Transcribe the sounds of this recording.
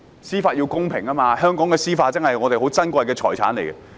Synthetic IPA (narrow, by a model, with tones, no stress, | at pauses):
siː˥faː˧t̚ji˧wkʊ˥ŋpʰɪ˨˩ŋɐː˥maː˧hœː˥ŋkɔː˨˥ŋkɛː˧siː˥faː˧t̚t͡sɐ˥ŋhɐ˨jŋɔː˨˧t̪e˨ɦo˨˥wt͡sɐ˥nkʷɐ˧jkɛː˧t͡ʃʰɔː˨˩t͡sʰaː˨˥nle˨˩kɛ˧